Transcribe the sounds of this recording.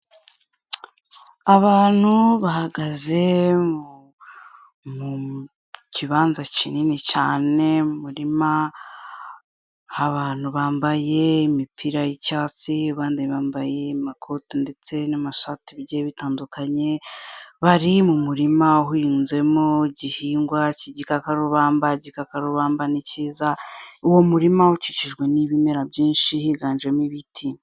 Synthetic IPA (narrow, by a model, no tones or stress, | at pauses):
aβaːn̥huβahaɡaze̞mu | mu | ciβaːnzacininicaːne̞mumuɾima | haβaːn̥huβaːmbaje̞imipʰiɾajicaːt͡siaβaːndaɲiβaːmbaje̞makʰotinde̞t͡se̞namaʃatiβɟeβitaːndukʰaɲe̞βaɾimumuɾimaɦuinze̞moɟihiːŋɡwaciɟikakaɾuβaːmbaɟikakaɾuβaːmbaniciːzauwo̞muɾimahut͡ʃit͡ʃiʒɡwe̞niβimeɾabɟiːnʃihiɡaːnʒemwiβitʰim